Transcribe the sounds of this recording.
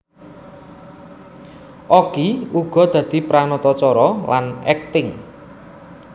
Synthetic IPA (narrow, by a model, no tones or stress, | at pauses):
ʔɔɡ̥iuɡ̥ɔ̤d̪̥ä̤d̪̥i̤pɾanɔt̪ɔt͡ʃɔɾɔlʔanɛk̚t̪ɪŋ